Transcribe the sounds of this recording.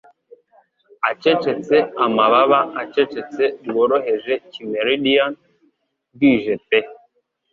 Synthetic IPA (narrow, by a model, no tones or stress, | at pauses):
at͡ʃet͡ʃet͡seamaβaβaat͡ʃet͡ʃet͡seɾwoɾoɦeʒecimeɾidian | ɡiʒepe